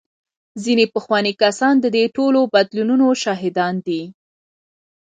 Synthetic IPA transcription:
zinepəxwɑnikasɑnd̪əd̪eʈolobad̪lununoʃɑɦɪd̪ɑnd̪i

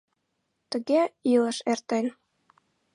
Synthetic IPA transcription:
t̪ə̆ɣeilə̆ʃert̪en

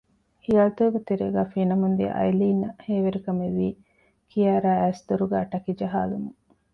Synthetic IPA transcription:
hiɐːt̪oːɡet̪eɾeːɡæːfinɐmund̪ḭʔɐ̰jliːnɐheːʋeɾikɐmeʋiː | kijaːɾæːæːsd̪uɾuɡæːʈɐkid͡ʒɐɦaːlumu

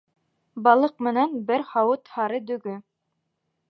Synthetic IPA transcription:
bɑlˠɤq̚mɘ̆nænbɘɾhɑwɤt̪hɑɾɤd̪ɵ̆ɡɵ

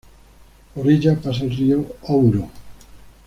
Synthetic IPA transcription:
oɾiʎapas̬elrioɔwɾo

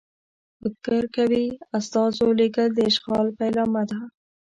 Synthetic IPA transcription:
bəkəɾkawiast̪ɑzolekəld̪əɪʃqɑlpajlɑmad̪a

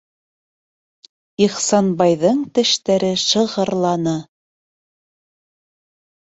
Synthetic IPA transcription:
iχsɑnbɑjðɤɴt̪ɘ̆ʃt̪æɾɘʃɤ̆ʁɤ̆ɾlˠɑnɤ

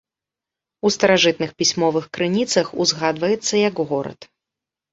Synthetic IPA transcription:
ust̪ɐɾaʐɨt̪̚nɨxpʲisʲmɔvɨxkɾɨnʲit̪sɐxuzɣad̪vɐjɛt̪sːɐjɐkɣɔɾɐ̰t̪

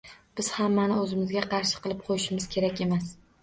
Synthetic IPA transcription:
b̥ɪz̥hamːanɪɵzɪmɪzɡʲaqʰɑɾʃɪ̥qɨlˠɪp̚qʰojɪʃɪmɪz̥kʲʰe̞ɾakʲe̞mas

